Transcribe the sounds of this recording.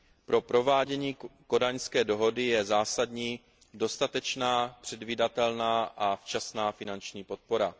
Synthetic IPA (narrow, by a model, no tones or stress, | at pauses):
pɾo̞pɾo̞vaːɟɛɲiːko̞daɲskɛːdo̞ɦo̞dɪjɛzaːsadɲiː | do̞st̪at̪ɛt͡ʃnaːpr̝̥ɛdviːdat̪ɛlnaːʔaft͡ʃasnaːfɪnant͡ʃɲiːpo̞t̪̚po̞ɾa